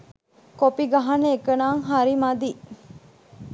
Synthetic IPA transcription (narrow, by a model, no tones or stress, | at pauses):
kopiɡaɦaneekənaːŋɦaɾimad̪i